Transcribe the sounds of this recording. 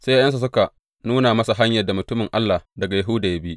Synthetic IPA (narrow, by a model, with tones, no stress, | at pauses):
sa˦ja˦jɐ˦nsa˨s̬ʊ˦ka˨ | nuː˦na˨mɐ˦sa˨ɦa˦ɲjɐ˨rda˨mʊ˨tʊ˦mɪ˨ŋʔa˦lːaː˨dɐ˨ɡa˨ja˨ɦʊ˦daː˨ja˦biː˦ʔ